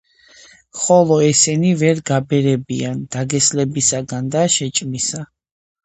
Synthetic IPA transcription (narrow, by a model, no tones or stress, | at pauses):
χɔlˠɔɛsɛnivɛɾɡabɛɾɛbiand̪̥aɡɛslɛbisaɡand̪aʃɛt͡ʃʼmisa